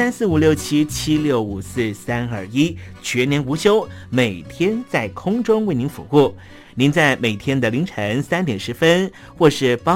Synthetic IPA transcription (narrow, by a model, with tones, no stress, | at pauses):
a˥nsɹ̩˥˩u˨˩ljo˥˩ʊt͡ɕʰi˥t͡ɕʰi˥ljo˥˩ʊu˨˩sɹ̩˥˩sa˥nɐ˞˥˩i˥t͡ɕʰɥɛ˧˥njɛ˧˥nu˧˥ɕjo˥ʊme˨˩ɪt̪ʰjɛ˥nt͡sa˥˩ɪkʰʊ˥ŋʈ͡ʂʊ˥ŋwe˥˩ɪni˧˥nfṵ˨˧˩xu˥˩ | ni˧˥nt͡sa˥˩ɪme˨˩ɪt̪ʰjɛ˥nd̪ə˨li˧˥ŋʈ͡ʂʰə˧˥ŋsa˥nt̪jɛ˨˩nʂɻ̩˧˥fə˥n | xwɔ˥˧ʂɻ̩˥˩pɑ˥